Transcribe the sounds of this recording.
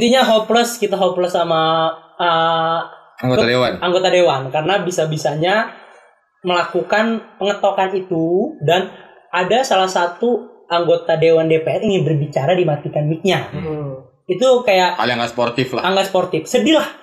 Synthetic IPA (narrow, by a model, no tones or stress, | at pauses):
it̪iɲaɦopləskit̪aɦopləsamaə | aŋɡoadewanaŋɡot̪adewankaɾənabisabisaɲa | məlakukanpəŋət̪okanit̪udan | adasalahsat̪uʔaŋɡot̪adewandepeɛriŋɪnbərbit͡ʃaɾadimat̪ikanmik̚ɲa | it̪ukajaʔka̰liaŋɡaspɔrt̪ɪflaaŋɡasport̪ɪfsədilah